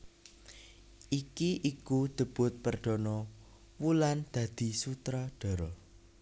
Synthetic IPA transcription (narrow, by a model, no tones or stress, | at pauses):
ʔikiʔikud̪̥ə̤b̥ʊ̤t̪̚pərd̪̥ɔ̤nɔ | wuland̪̥ä̤d̪̥i̤sut̪ɾɔɖ̪̥ɔ̤ɾɔ